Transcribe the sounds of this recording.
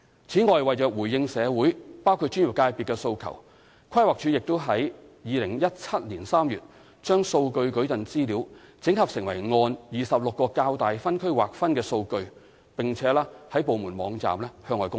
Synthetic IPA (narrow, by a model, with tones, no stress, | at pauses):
t͡sʰiː˨˥ŋɔː˨jwɐ˨jt͡ʃœː˨k̚wuː˨˩jɪ˧ŋsɛː˨˧wuː˨˥jpaː˥wkʰu˧t̚t͡ʃy˥njɪ˨p̚kaː˧jpiː˨t̚kːɛː˧so˧wkʰɐ̰˨˩w | kʰɐ˥jwaː˨˩k̚t͡ʃʰyː˨˥jɪ˨k̚t̪o˥wɦɐ˨˥jjiː˨˧lɪ˨˩ŋjɐ˥t̚t͡sʰɐ˥t̚liː˨˩nsaː˥mjyː˨t̚ | t͡ʃœː˥ŋso˧wkɵ˧ɥkɵ˨˥ɥtɐ˨nt͡siː˥liː˨˧˥wt͡sɪ˨˥ŋhɐ˨p̚sɪ˨˩ŋwɐ˨˩jŋɔː˧njiː˨sɐ˨p̚lʊ˨kːɔː˧kaː˧wt̪aː˨jfɐ˥nkʰɵ˥ɥwa̰ː˨˩k̚fɐ˥nkɛː˧so˧wkɵ˧ɥ | pɪ˨ŋt͡sʰɛː˨˥laː˥hɐ˨˥jpo˨wmuː˨˩nmɔː˨˧˥ŋt͡sa̰ː˨mlɛː˥hœː˧ŋɔː˨jkʊ˥ŋ